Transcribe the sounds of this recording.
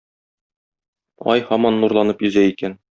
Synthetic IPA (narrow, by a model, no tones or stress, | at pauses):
ɒ̰jhɒmɑnːuɾlˠɑnɤpjɵ̆zæikæn